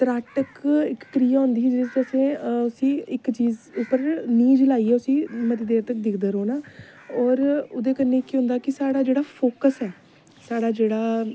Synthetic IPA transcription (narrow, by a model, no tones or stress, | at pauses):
t̪əɾaːʈəkɪkːɾiːjaːɦʊ̃nd̪iːd͡ʒid͡ʒəsẽːʊsĩːɪkt͡ʃiːzʊpːəɾniːd͡ʒlaːiːɛːʊsĩːmət̪eːd̪eːɾt̪ək̚d̪ɪkʰd̪əɾoːnaː | ɔːɾʊd̪eːkənːẽːkiɦʊ̃nd̪aːkɪsaːɽaːd͡ʒeːɽaːpʰoːkəsɛː | saːɽaːd͡ʒeːɽaː